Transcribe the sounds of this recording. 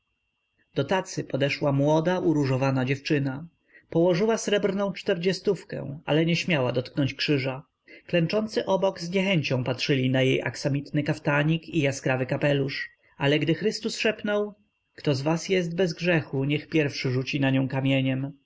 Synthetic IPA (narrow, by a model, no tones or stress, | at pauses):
d̪̥ɔt̪at̪sɘpɔd̪ɛʂwamwɔd̪aʔuɾuʐɔvanad͡ʑɛft͡ʂɘna | pɔwɔʐɘwasɾɛbɾnɔ̃w̃t͡ʂt̪ɛɾd͡ʑɛst̪ufkɛ̰̃w̃a̰lɛɲɛɕmʲjawad̪ɔt̪knɔɲt͡ɕkʂɘʐa | klɛnt͡ʂɔnt̪sɘʔɔbɔɡzɲɛxɛɲt͡ɕɔ̃w̃patʂɘlʲinajḛjʔa̰ksamʲit̪nɘkaft̪aɲikijaskɾavɘkapɛluʂ | ʔalɛɡd̪ɘxɾɘst̪usʂɛpnɔw | kt̪ɔzvasjɛst̪̚bɛzɡʐɛxuɲɛxpʲjɛɾfʂɘʐut͡ɕinaɲɔ̃w̃kamʲjeɲɛm